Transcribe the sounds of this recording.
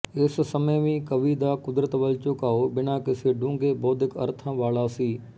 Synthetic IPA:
ɪssəməjʋĩːkəʋiːd̪aːkʊd̪ɾət̪ʋɐlt͡ʃʊkaːobɪnaːkɪseːɖũːŋɡeːbɔːd̪ɪkɐ̰ɾt̪ʰãːʋaːlaːsiː

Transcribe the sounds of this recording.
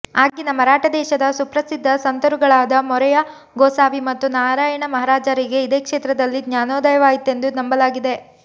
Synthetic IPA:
aːɡinɐmɐɾaːʈɐd̪ɛːʃɐd̪ɐsupɾɐsid̪ʱːɐsɐnt̪ɐɾuɡɐɭaːd̪ɐmɔɾɛjɐ | ɡoːsaːʋimɐt̪ːunaːɾaːjɐɳɐmɐɦaɾaːd͡ʒaːɾiɡe̞id̪eːkʂeːt̪ɾɐd̪ɐlːiɡɲaːnɔːd̪ɐjɐʋaːjit̪ːe̞nd̪unɐmbɐlaːɡid̪e̞

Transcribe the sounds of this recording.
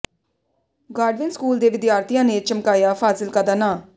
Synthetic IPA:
ɡaːɖʋɪnskuːld̪eːʋɪd̪jaːɾt̪ijãːneːt͡ʃəmkaːjaːpʰaːsɪlkəd̪anaː

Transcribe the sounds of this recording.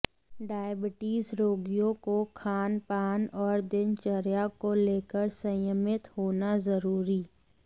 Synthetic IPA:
ɖaːjəbɪʈiːzɾoːɡijõkokʰaːnpaːnɔːɾd̪ɪnt͡ʃəɾjakoleːkəɾsə̃jəmɪt̪hoːnazɐɾuːɾiː

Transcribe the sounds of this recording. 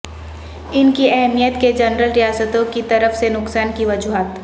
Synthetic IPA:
ɪnkiɛɦmijət̪ked͡ʒɐnɾəlɾijaːsət̪õkit̪ɐɾəfsenʊksaːnkiʋɐd͡ʒuɦaːt̪

